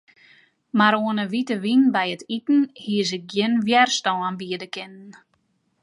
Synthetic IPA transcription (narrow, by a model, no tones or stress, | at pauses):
maɾoənəʋitəʋinbɛjətʰitn̩hiəsɪk̚ɡjɪnʋjɛrstɔːənbiədəkɪnn